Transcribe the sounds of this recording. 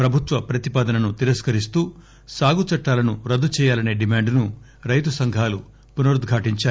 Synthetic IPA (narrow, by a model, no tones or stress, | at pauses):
pɾɐbʱut̪ʋɐpɾɐt̪ipaːd̪ɐnɐnut̪iɾɐskɐɾist̪uː | saːɡut͡ʃɐʈːaːlɐnuɾɐd̪ːut͡ʃɛːjaːlɐne̞ːɖimaːɳɖnu | ɾɐjt̪usɐŋɡʱaːlu | punɐɾud̪ɡʱaːʈiɲt͡ʃaː